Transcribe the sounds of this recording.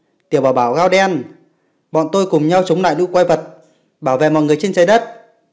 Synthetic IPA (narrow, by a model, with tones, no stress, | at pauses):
t̪i˨˩əwɓaː˧˩ɓaː˧˩wɣaː˧wɗɛ˧n | ɓɔ̰˧˨nt̪o˧jkʊ˨˩ŋ͡mɲa˧wt͡ɕə˨˦wŋ͡mla̰ː˧˨jlṵ˧˥kwa˧jvə˨˩t̚ | ɓaː˧˩wvḛ˧˨mɔ̰˧˨ŋ˨˩əjt͡ɕe˧nsə˨˩˦jɗə˦˥t̚